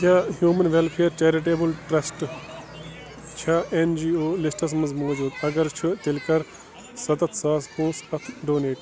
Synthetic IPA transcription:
kaɦjuːmɐnʋelpʰeːɾt͡ʃeːɾiʈ̬eːbɐlʈɾɐsʈ | t͡ʃʰɐend͡ʒiːoːlisʈɐs̬mɐzmoːd͡ʒuːd̪ɐɡɐɾt͡ʃʰut̪ilkɐɾ | sɐt̪ɐt̪ʰsaːspũːsɐt̪ʰɖoːneːʈ

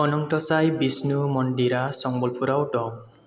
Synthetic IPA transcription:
ɔnɔŋʈɔsajbisnumɔndiɾasɔŋbɔlpʰuɾawɖɔm

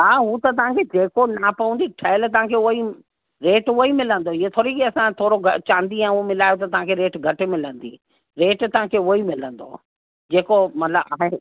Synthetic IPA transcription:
ɦaːɦut̪ɐt̪̬ɐʋ̤ãkʰed͡ʑeːkonapɐʋə̃nd̪iʈʰɐɪlt̪̬ɐʋ̤ãkʰeʊi | ɾeːʈoimɪlə̃n̆d̪oɪet̪ʰoːɾikiɐsãt̪ʰoːɾoɡɐt͡ɕãːnd̪iɛ̃ʊɦomɪlaːjot̪̬ɐt̪ɐɦãkʰeɾeːʈɡʱɐʈɪ̆mɪlə̃nd̪ḭː | ɾeːʈt̪ɐʋ̤ãkʰeuoimɪlə̃nd̪o̰ː | d͡ʑeːkomɐt̪ləbaːɦe

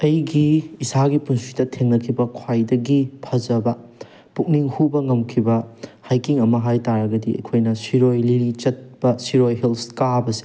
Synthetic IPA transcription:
ɐjɡiːsaɡipunsitɐtʰeŋnɐkʰibɐkʰwajdɐɡipʰɐd͡ʒɐbɐ | puk̚niŋhubɐŋɐmkʰibɐhajkiŋɐmɐɦajtaɾɐɡɐdiɐ̰jkʰojnɐsiɾojliɾit͡ʃɐt̚bɐsiɾojɦelskabɐse̥

